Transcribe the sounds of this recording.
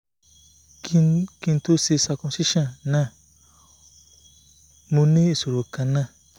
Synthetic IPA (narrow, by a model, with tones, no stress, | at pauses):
kĩ˧n˦to˦se˧sa˧kɔ̃˧˨si˦ʃɔ̃˦˨nnã˦˨ | mõ˧nĩ˦e˨so˨ɾo˨kã˨nã˦˨